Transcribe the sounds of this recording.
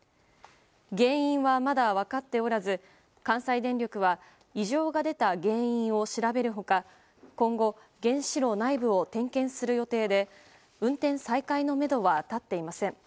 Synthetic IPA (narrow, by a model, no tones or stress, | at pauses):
ɡẽ̞ːɰ̃ĩɰ̃βamad̪aβ̞akat̪ːe̞o̞ɾazɨ | kãɰ̃said̪ẽ̞nɾʲo̞kɯ̟βa | iʑo̞ːɡad̪e̞t̪aɡẽ̞ːĩɰ̃o̞ɕiɾabe̞ɾɯ̟ɦo̞ka | kõ̞ŋɡo̞ | ɡẽ̞ɰ̃ɕiɾo̞ːnaibɯ̟o̞t̪ẽ̞ŋkẽ̞ɰ̃sɨɾɯ̟jo̞t̪e̞ːd̪e̞ | ɯ̟̃nt̪ẽ̞ɰ̃saikaino̞me̞d̪o̞βat̪at̪ːe̞imasẽ̞ɴ